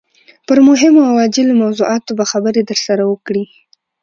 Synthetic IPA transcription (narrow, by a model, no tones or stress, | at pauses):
pəɾmʊɦɪmoawɑd͡ʒɪlomawzuʔɑt̪obaxabəɾed̪əɾsaɾawəkɽi